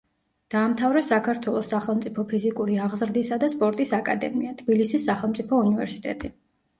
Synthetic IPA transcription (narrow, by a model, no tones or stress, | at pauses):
d̪̥aːmt̪ʰavɾɛsakʰaɾt̪ʰwɛlˠɔsːaχɛlˠmt̪sʼipʰɔpʰizikʼuɾiaʁzɾd̪isad̪aspʼɔɾt̪ʼisakʼa̰d̪ɛ̰miat̪ʰbilisisːaχɛlˠmt̪sʼipʰɔunivɛɾsi̥t̪ʼɛ̰t̪ʼi